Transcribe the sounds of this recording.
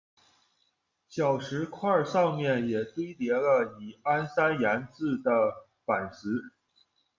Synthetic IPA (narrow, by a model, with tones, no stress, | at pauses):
t͡ɕjɑ˨˩ʊʂɻ̩˧˥kʰwa˥˩sɑ˥˧ŋmjɛ˥˩njɛ˨˩t̪we˥ɪt̪jɛ˧˥lə˧i˨˩a˥nsa˥nja˧˥nt͡sɹ̩˥˩d̪ə˩ | fa˨˩nsɹ̩˧˥